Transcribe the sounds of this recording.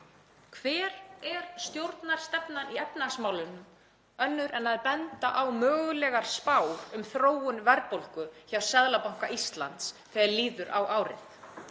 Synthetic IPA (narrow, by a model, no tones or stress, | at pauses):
kʰvɛːɾɛɾ̥st̪jowɾt̪naɾ̥st̪ɛpnaniɛpnasmaːwlʏnʏm | œnːʏɾɛnaðpɛnt̪aʔawmœːɣʏlɛɣaɾ̥spaːwɾʏmθɾoːwʏnvɛɾpol̥kʏçawsɛðlapawŋ̥kaʔist̪la̰nt̪sθɛːaɾliːðʏɾa̰wʔaːwɾɪ̰θ